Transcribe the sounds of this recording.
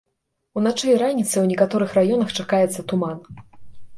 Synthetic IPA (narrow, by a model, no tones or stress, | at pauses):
unat͡ʂɐjɾanʲit̪sɨwnʲɛkat̪ɔɾɨxrajɔnɐxt͡ʂakajɛt̪sːɐt̪uman